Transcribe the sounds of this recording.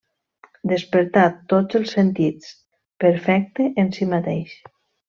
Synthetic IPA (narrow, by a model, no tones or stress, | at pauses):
d̪espəɾt̪at̪ːot͡səlˠsːent̪it͡s | pəɾfɛk̚t̪eʔensimat̪ejʃ